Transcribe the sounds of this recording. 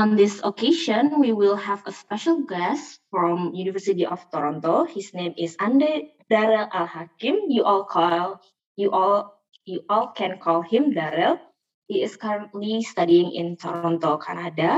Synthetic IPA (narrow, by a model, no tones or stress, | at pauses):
ɔ̃nd̪ɪsokeʃə̃nwiwɪlˠhɛvəspɛʃəlˠɡɛstfɹɔ̃mjunivəsit̪iʔɔft̪ɔɾɔ̃nt̪ohisnẽmɪsãndə | daɾəlʔalhakɪ̃mjuʔɔlkʰɔl | juʔɔl | juʔɔlkʰɛ̃nkʰɔlˠhɪ̃mdaɾəl | ɪtɪskaɹə̃ntlist̪adiɪ̃ŋɪ̰̃nt̪ɔɾɔ̃nt̪okʰa̰nada